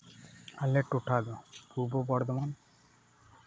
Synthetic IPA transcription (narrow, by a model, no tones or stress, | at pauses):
alːeʈoʈʰad̪opuɾbobɔɾd̪oman